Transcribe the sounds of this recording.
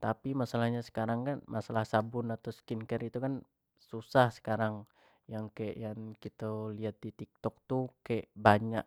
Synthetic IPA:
t̪apimasalahɲasə̥kaɾaŋkanmʔasalahsabʊnat̪awskinkəɾit̪ukan | susahsə̥kaɾaŋ | jaŋkaɛʔjaŋkit̪aliɦat̪̚dit̪ik̚t̪ɔk̚t̪ukaɛʔbaɲa̰ʔ

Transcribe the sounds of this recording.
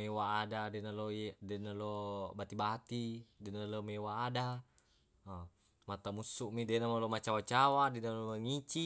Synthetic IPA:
ewaːdadenalodenalobat̪ibat̪idenalomewaːda | mat̪amusuʔmidenamalomat͡ʃawat͡ʃawadenalomaŋit͡ʃi

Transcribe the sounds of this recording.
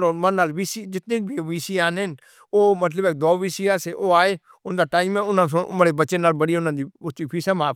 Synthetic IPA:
omə̃nːaːlʋiːsid͡ʒɪt̪nẽːbʱiʋiːsiːaːnɦɪn | oːmət̪̬ləbɛːk̚d̪ɔːʋiːsiːaːseːʔoːaːeː | ʊnd̪aːʈaːɪmẽːʊnãːsõːʔməɽeːbət͡ʃeːnaːlbəɽiːʊnãːd̪iːʊt͡ʃiːpʰiːsãːmaːp

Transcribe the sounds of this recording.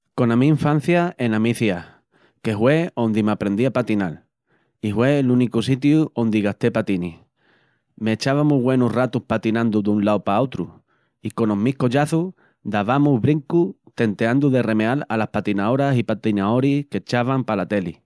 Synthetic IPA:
ko̞nãmĩːɱfan̟θjae̞nãmiθia | ke̞ɦwe̞o̞nd̪imapɾe̞nd̪iapat̪inal | ihwe̞lunikusit̪̬juo̞nd̪iɣaht̪e̞pat̪ini | me̞ːt͡ʃaβamuɣwe̞nurat̪uhpat̪inãnd̪ud̪unlawpaot̪ɾṵ | iko̞no̞ɦmihko̞ʎaθu | d̪aβamuɦβɾiŋkut̪e̞nt̪e̞and̪uðe̞re̞mealalahpat̪inao̞ɾasipat̪inao̞ɾike̞t͡ʃaβampalat̪e̞li

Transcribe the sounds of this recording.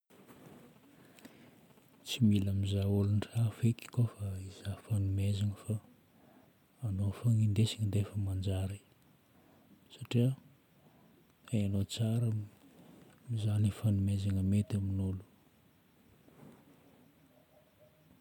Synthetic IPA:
t͡similamizaulunrafeki̥kofaiz̥afanumezaŋəfa | nofaŋind̪esiŋind̪efəmand͡ʒaɾi | saʈ͡ʂiə | aanot͡saɾə | mizanifanumezaŋəmet̪aminulu̥

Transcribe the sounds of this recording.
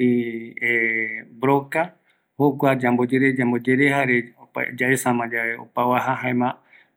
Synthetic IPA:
iebɾoka | hokʷad͡ʒambod͡ʒeɾed͡ʒambod͡ʒeɾehaɾea̰d͡ʒaʔesãmãd͡ʒaeo̰pawaɦaɦãẽmã

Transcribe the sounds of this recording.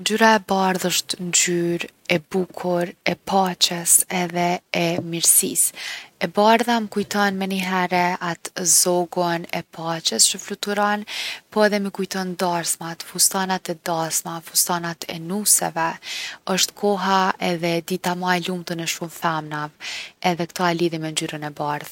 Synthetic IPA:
nd͡ʒyɾaɛbaɾðəʃt̪nd͡ʒyɾɛbukʰuɾɛpʰat͡ʃəsɛðɛɛmiɾsḭsɛbaɾðaməkujt̪ɔnmɛniɦɛɾɛat̪zɔɡɔnɛpʰat͡ʃəst͡ʃəflut̪uɾɔnpɔɛðɛməkujt̪ɔnd̪aɾsmat̪fust̪anat̪ɛd̪asmafust̪anat̪ʰɛ̰nusɛ̰vɛəʃt̪kʰɔɦaɛðɛd̪it̪amalumt̪ənɛʃumθamnavɛðɛkt̪ɔaliðimɛnd͡ʒyɾənɛbaɾð

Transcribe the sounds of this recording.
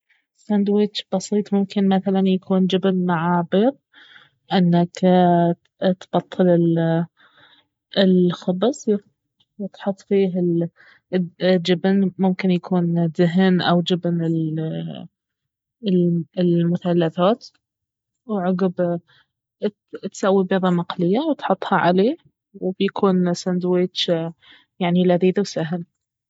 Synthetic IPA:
sand̪wɪd͡ʒb̥ɑsiːt̪ˤmʊmkɪnmaθalanjakʰuːnd͡ʒɪbnmaʕaːbɪɾ | ʔɪnːak | t̪b̥ɑt̪ˤːɨlɪl | ɪlxɑbsˤ | wt̪ħʊt̪ˤːfiːɦɪ | d͡ʒɪbnmʊmkɪnjakʰuːnðɪɦnʔawd͡ʒɪbnɪl | ɪlmʊθalːaθaːt̪ | wʕʊɡɪb | t̪sawːibeðɑmɑqlɪjːawt̪ħʊt̪ˤːhɑʕa̰leː | wbjakʰuːnsand̪weːt͡ʃ | jaʕnilaðiːd̪wsaɦɪl

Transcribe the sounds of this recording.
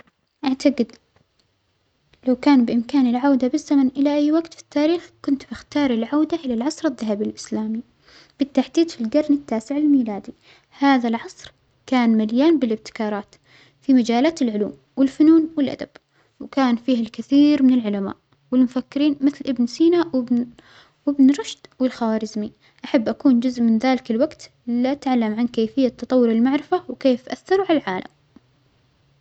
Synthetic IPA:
ʔaʕt̪aɡɪd̪ | lawkaːnbɪʔɪmkaːnɪlʕawd̪abɪzːamanʔɪlaʔajːwaɡt̪fi̥t̪ːaːɾiːxkʊnt̪b̥ɪxt̪ɑːɾˤɪlʕawd̪aʔɪlalʕɑsˤɾaðːaɦabilʔɪslaːmi | b̥ɪt̪ːaħd̪iːd̪filɡɑɾˤnɪt̪ːaːsɪʕɪlmiːlaːd̪i | haːðalʕɑsˤɾ | kaːnmaljaːnbɪlɪb̚t̪ɪ̥kɑːɾˤɑːt̪ | fimad͡ʒaːlaːt̪ɪlʕʊlṵːm | wɪlfʊnuːnwɪlʔa̰d̪ab̥ | wkaːnfiːhɪlkɪθiːɾmɪnɪlʕʊlama̰ːʔ | wɪlmʊfakːɪɾiːnmɪθlʔɪbnsiːnaw | wɪbnɾˤɑʃd̪̥wɪlxawaːɾɪzmi | ʔaħabːʔakuːnd͡ʒʊzʔmɪnðaːlɪkɪlwaɡt̪ | lʔat̪ʕalːamʕankeːfɪjːat̪ːɑt̪ˤɑwːʊɾɪlmaʕɾɪfawkeːfʔaθːɑɾuʕalalʕaːla̰m

